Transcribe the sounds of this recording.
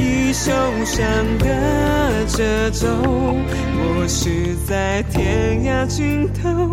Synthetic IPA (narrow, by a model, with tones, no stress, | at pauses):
i˧ʂo˧˩ | ʂa˧˩nd̪ə˧˩ | ʈ͡ʂə˧˩ | ʈ͡ʂo˧ʊ | wɔ˨˩ | ʂɻ̩˥˩ | t͡sa˥˧ɪt̪ʰjɛ˧˥nja˥t͡ɕy˥˧nt̪ʰo˧˥